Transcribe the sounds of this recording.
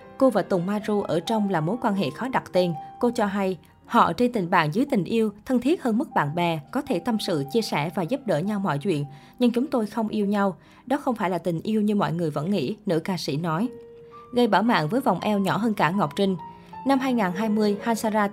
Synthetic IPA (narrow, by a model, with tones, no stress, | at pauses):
ko˧vaː˨˩t̪ʊ˨˩ŋ͡mmaː˧zu˧ʔəː˧˩t͡ɕɔ˧wŋ͡mlaː˨˩mo˨˦jkwaː˧nɦḛ˧˨xɔ˨˦ɗa˨˩t̚t̪e˧nko˧t͡ɕɔ˧ɦa˧j | hɔ̰˧˨˩t͡ɕe˧nt̪ï˨˩ŋ̟ɓa̰ː˧˨ŋzɨ˨˦jt̪ï˨˩ŋ̟ʔi˧əwt̪ʰə˧nt̪ʰi˦˥ət̚həː˧nmɨ˦˥k̚ɓa̰ː˧˨nɓɛ˨˩kɔ˨˦t̪ʰe˧˩t̪ə˧msɨ̰˧˨t͡ɕi˧əsɛ˧˩vaː˨˩zu˦˥p̚ɗə̰ː˧˩ɲa˧wmɔ̰˧˨jt͡ɕwḭ˧˨ən | ɲɨ˧ŋt͡ɕʊ˨˦ŋ͡mt̪o˧jxə˧wŋ͡mʔi˧əwɲa˧w | ɗɔ˨˦xə˧wŋ͡mfaː˧˩jlaː˨˩t̪ï˨˩ŋ̟ʔi˧əwɲɨ˧mɔ̰˧˨jŋɨ˨˩əjvə̰˧˥nŋḭ˧˥nɨ̰˧˥kaː˧sḭ˧˥nɔ˨˦j | ɣə˧jɓaː˧˩wma̰ː˧˨nvəː˨˦jva̰˨˩wŋ͡mʔɛ˧wɲɔ˧˩ɦəː˧nkaː˧˩ŋɔ˨˩wk͡p̚t͡ɕï˧ŋ̟ | na˧mɦaː˧jŋaː˨˩nɦaː˧jmɨ˧əjhaː˧nsaː˧zaː˧